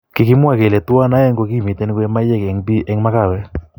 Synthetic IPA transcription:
kɪ˨kɪ˦mwa˦˨ke˨lɛ˨twa˦na˦ɛ˦ŋɡo˧ki˦˨mi˨t̪ɛ˦n˦kwe˦ma˦jɛ˦kɛ˨ŋbi˦ʔɛ˦ŋma˦ka˦˨wɛ˦

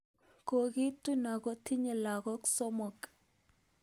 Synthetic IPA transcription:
ko˨ɡi˦tu˦na˨ɡɔ˦tʰi˦ɲe˨la˨ɣɔ˦ksɔ˦mɔ˨k

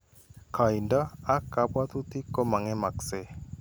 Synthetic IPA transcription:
kʰa˨i˨nda˦a˦ka˦bwa˦t̪u˦t̪i˦ko˦ma˨ŋɛ˦ma˨kse˦

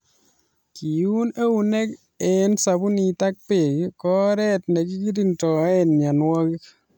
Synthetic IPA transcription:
ki˨u˦ne˦wu˨ne˦k | ɛ˦nsa˨bu˦ni˨ta˦k̚pe˨kkɔ˦ɾɛ˦tne˨ki˦ki˦ɾi˦ntɔ˨ɛ˦nɲa˨nwɔ˦ki˦

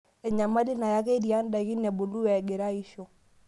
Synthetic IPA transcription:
ɛ˨ɲa˨ma˦li˦na˨ja˦kɛ˦di˨a˦nda˨ɣi˦nɛ˨bo˨lu˦wɛ˨ɡe˨ɾa˦i˦ʃo˨

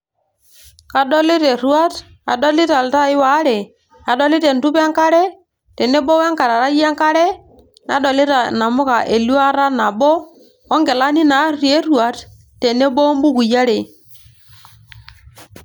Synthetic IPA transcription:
ka˨ɗɔ˦li˦te˨ɾu˦a˦t | a˨dɔ˦lɪ˦ta˨lta˦ɪ˦wa˨˦ɾe˨ | a˨dɔ˦li˦ɾe˨ntu˦pɛ˦ŋka˦ɾɛ˦ | tɛ˨ne˦bɔ˦wɛ˦ŋka˨ɾa˨ɾa˦ja˦ŋka˦ɾɛ˦ | na̰˨˦dɔ˨li˦ta˨na˨mʊ˦ka˨ʔe˨lu˦a˦ɾa˦na˨bɔ˦ | ɔ˦ŋɡɛ˨la˦ni˦na˨˦ɾi˨e˦ɾu˨a˨˦t | te˨ne˦bɔ˦mbu˦ku˨ja˦ɾe˨

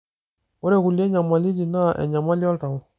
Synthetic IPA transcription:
ɔ˦ɾɛ˨ku˨lɛ˦ɲa˨ma˨li˦di˨na˦˨ʔɛ̰˨ɲa˨ma˦li˦ɔ˦lta˨wu˦

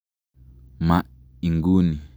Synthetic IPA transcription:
mã˨ʔ | i˨ŋɡu˦nĩ˨

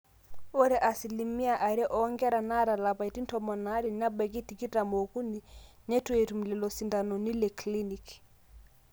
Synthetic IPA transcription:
o˦ɾɛ˨ʔa˨si˨li˨mi˦a˦˨ʔa˨ɾɛ˦ʔɔ˨˦ŋɡɛ˦ɾa˨na˦ɾa˨la˨pa˨i˨ti˦n˦tɔ˨mɔ˨na˦ɾi˦˨na˦bɛ˨k̬i˦ti˨ki˦ta˨mo˨ku˦ni˨ | ne˦twe˨tu˨m̩˨lɛ˨lɔ˨si˨nda˨nɔ˨ni˦le˨kli˦ni˨k

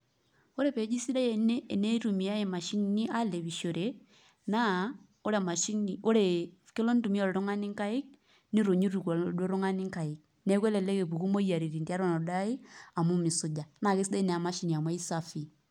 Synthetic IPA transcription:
o˦ɾe˦pɛ˨˦d͡ʒi˦si˦ɾa˦jɛ˨neː˦˨nɛ˦tu˨mi˨a˦e˨ma˨ʃi˦nni˦ʔa˦le˨βi˨ʃo˨ɾe˨ | na˦ | o˦ɾɛ˨ma˨ʃi˦ni˨o˦ɾe˨ke˦lɔ˦n˦tu˨mi˦ɔ˨ɾɛ˨ɾo˦ŋa˦ni˦ŋka˦i˦k̚ | ni˦ɾo˨ɲi˦ɾu˨kdo˦ɾo˦ŋa˦ni˦ŋka˨i˨k̚ | nɛ˦kwɛ˦lɛ˨lɛ˦ke˨pu˨ku˦mo˦i˦a˨ɾi˨ɾi˨ndi˦a˦ɾɔ˦nɔ˨da˦i˦a˨mu˦mi˨su˨d͡ʒa˨na˨ke˦si˦dɛ˦nɛ˨a˨ma˦ʃi˦ni˨a˨mwɛ˦i˦sa˦fi˨

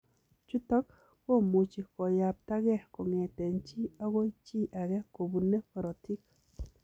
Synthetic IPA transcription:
t͡ʃu˦t̪ɔ˦k | ko˦mu˨t͡ʃi˨ko˨ja˨p̚t̪a˦ɣɛ˦˨hko˨ŋe˨t̪e˨nt͡ʃi˦a˦ɡo˦i˦t͡ʃi˦ʔa˨ɡɛ˦ko˨bu˨ne˦pɔ˨ɾo˨ti˦k

